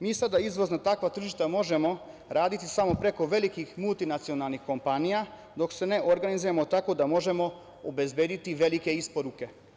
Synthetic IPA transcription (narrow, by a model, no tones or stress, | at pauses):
miːsad̪aizʋo̞znat̪akʋat̪r̩ʒiʃt̪amo̞ʒe̞mo̞ | ɾaːd̪it̪isamo̞pɾe̞ko̞ʋe̞likixmulˠt̪inat̪sio̞nalˠnixko̞mpanija | d̪o̞kse̞ne̞ʔoɾɡanizujemot̪ako̞d̪amo̞ʒe̞mo̞ | obe̞zbe̞ːd̪it̪iʋe̞like̞ispoɾuke̞